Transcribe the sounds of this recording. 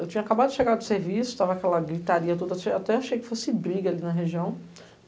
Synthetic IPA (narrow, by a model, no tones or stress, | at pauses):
ewt͡ʃĩɲɐakabad̪ʊd͡ʒɪʃeɡaɾd̪ʊseɾvisʊ̥t̪avɐakɛlɐɡɾit̪aɾiɐt̪od̪ɐaʃeat̪ɛaʃejkɪ̥fosɪbɾiɡɐalinɐɦeʒiɐ̃w̃